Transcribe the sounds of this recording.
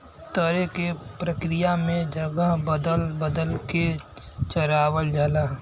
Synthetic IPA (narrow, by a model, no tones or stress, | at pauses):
t̪əɾekepɾəkɾɪjamẽd͡ʒəɡəɦbəd̪əlbəd̪əlke | t͡ʃəɾaːwəld͡ʒəlaː